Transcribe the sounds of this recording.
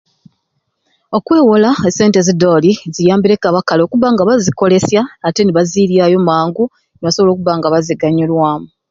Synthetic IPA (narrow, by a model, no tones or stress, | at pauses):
o̞kwe̞ːwolaese̞ːnte̞zido̞ːlizijaːmbiɾe̞kaβakalo̞kuβaŋɡaβaziko̞le̞sjaːte̞niβaziːɾjajo̞maːŋɡu | neβaso̞βo̞lo̞ːkuβaŋɡaβaziɡaɲolwaːmu